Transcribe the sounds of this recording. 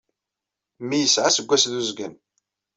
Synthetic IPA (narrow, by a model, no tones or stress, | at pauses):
mijəsʕasəɡʷːæsðuzɡən